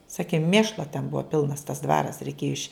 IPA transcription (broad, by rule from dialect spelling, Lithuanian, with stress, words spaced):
ˈsɑːkʲɪ ˈmʲeːʃlˠoː tʲɛn ˈbuɔ ˈpʲɪlˠnɐs tɐs ˈdʋɑːrɐs rʲɛɪˈkʲeːjʊ ɪʃʲ